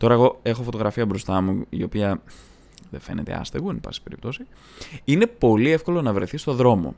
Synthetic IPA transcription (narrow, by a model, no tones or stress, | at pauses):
t̪o̞ɾɐeɣo̞e̞xo̞fot̪o̞ɣɾɐfiɐbɾo̞st̪ɐmuio̞piɐ | ðefe̞ne̞̰t̪ḛɐ̰st̪eɣunibɐ̰si̥pe̞ɾipt̪o̞si | ine̞po̞liefko̞lo̞nɐvɾeθist̪o̞ðɾo̞mo̞̰